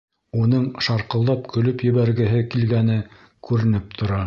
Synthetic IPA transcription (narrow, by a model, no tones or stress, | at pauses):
unɤɴʃɑɾqɤ̆lˠd̪ɑpkʰɵ̆lɵpjɘ̆βæɾɡɘ̆ɦɘkilɡænɘ | kʉɾɘ̆nɘp̚t̪ʰŏɾɑ